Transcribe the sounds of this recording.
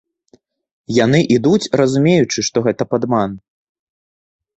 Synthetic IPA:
jan̪ɨʔid̪ut͡sʲrɐzumʲejut͡ʂɨʂt̪ɔɣɛt̪ɐpad̪man

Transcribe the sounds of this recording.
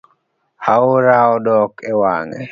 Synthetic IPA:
hauɾaɔdɔkʰɛwa̰ŋɛ̰

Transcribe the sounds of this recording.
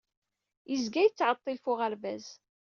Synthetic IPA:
jəzɡæjət͡sːʕət̪ˤːilfʊʁəɾvæz

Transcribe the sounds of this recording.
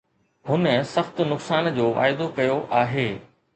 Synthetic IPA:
ɦʊnəsɐxt̪nʊksaːnd͡ʑoːʋa̰ːɪd̪okɐjoʔaːɦeː

